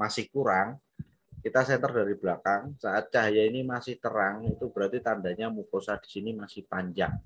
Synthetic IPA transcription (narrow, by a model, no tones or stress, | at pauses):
masɪhkuɾaŋ | kit̪asɛnt̪ərdaɾib̥lakaŋsaʔat̪̚t͡ʃaɦajainimasɪht̪əɾaŋit̪ubəɾart̪it̪andaɲamukosad̥i̥sinimasɪhpaɲd͡ʒa̰ŋ